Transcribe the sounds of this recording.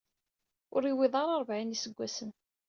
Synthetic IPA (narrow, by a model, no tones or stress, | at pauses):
ʊɾiwɪðˤɑɾˤɑɾˤvʕinisəɡʷːæsən